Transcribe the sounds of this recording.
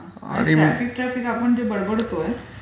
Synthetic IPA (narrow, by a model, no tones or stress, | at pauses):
a | a̰ã̰ɽiɾafik̚ʈɾæfikapəɳd͡ʑebəɽbəɽt̪oe